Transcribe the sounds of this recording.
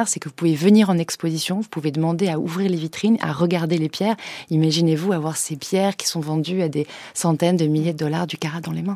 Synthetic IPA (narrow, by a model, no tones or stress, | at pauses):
ʁsɛkəvupuvevəniʁɑ̃nɛkspozisjɔ̃vupuved̪əmɑ̃d̪eaṵvʁiʁlevit̪χina̰ʁəɡaʁd̪elepjɛːʁimaʒinevuavwaʁsepjɛʁkʲi̥sɔ̃vɑ̃d̪yad̪esɑ̃t̪ɛnd̪əmiljed̪əd̪ɔlaʁd̪ykaʁad̪ɑ̃lemɛ̃